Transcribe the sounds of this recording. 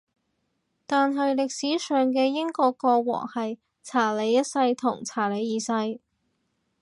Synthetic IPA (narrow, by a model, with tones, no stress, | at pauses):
t̪aː˨nɦɐ˨jlɪ˨k̚siː˨˥sœː˨ŋk̬ɛː˧jɪ˥ŋkɔː˧kɔː˧wɔ̰ː˨˩ŋhɐ˨j | t͡sʰaː˨˩le˨˧jːɐ˥t̚sɐ˧jt̪ʰʊ˨˩ŋt͡sʰaː˨˩le˨˧jiː˨˧sɐ˧j